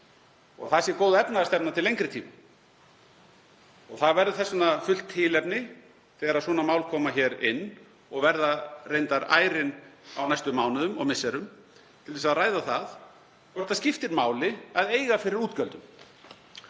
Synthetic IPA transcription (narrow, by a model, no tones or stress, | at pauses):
ɔ̰ɣθasjɛkoːwðaɛpnaðast̪ɛpnat̪ʰɪlːejŋkɾɪt̪ʰḭːma | ɔɣθaðvɛɾðʏθɛsːɔnafʏl̥t̪ʰːɪlɛpnɪ | θɛːɣaɾaðswɔːnamaːwlkʰɔːmaçɛːɾɪ̰nː | ɔɣvɛɾðarejnt̪aɾa̰ːjɾɪna̰wnajst̪ʏmːaːwnʏðʏmɔɣmɪsːɛɾʏm | t̪ʰɪlvɛsaðraːjðaθað | kɔɾ̥t̪ascɪft̪ɪɾmaːwlɪaðeːjɣafɪɾɪɾuːt̪cœlt̪ʏm